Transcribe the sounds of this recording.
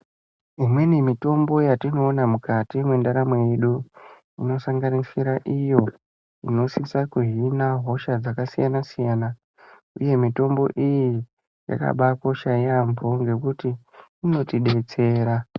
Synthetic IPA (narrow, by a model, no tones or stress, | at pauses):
imwe̞nimito̞mbo̞jatino̞ːnamukatimwendaɾamwe̞jeɗu | ino̞saŋɡanisiɾaʔijo̞ | ino̞sisakuɦinaɦo̞ʃad͡zakasijanasijaːna | ṵje̞mito̞mbo̞̰ʔiji | ja̰ka̰ɓako̞ʃajambo̞ŋɡe̞kutiːno̞tiɗe̞t͡se̞ːɾa